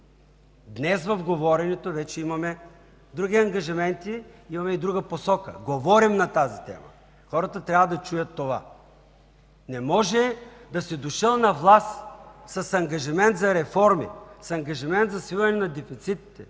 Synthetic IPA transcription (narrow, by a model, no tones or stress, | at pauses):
d̪nɛsvɐfɡovɔɾɛnɛt̪ovɛt͡ʃɛimɐmɛ | d̪ɾuɡ̟iɐŋɡɐʒimɛnt̪iimɐmɛid̪ɾuɡəposɔkə̰ɡovɔɾimnɐt̪azit̪ɛ̰mə̰ | xɔɾɐt̪ət̪ɾʲavəd̪ɐt͡ʃujət̪ːova̰ | nɛmɔʒɛd̪ɐsɛd̪oʃəlˠnɐvlˠassɐsɐŋɡɐʒimɛnt̪zɐɾɛfɔɾmḭsɐŋɡɐʒimɛnt̪zɐsvilˠɐnɛnɐd̪ɛfit̪sit̪i̥t̪ɛ